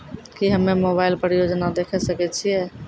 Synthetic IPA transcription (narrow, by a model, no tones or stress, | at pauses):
kiɦəmːemobaɪlpɾjod͡ʒnad̪ekʰɛsəkɛt͡ʃʰijɛ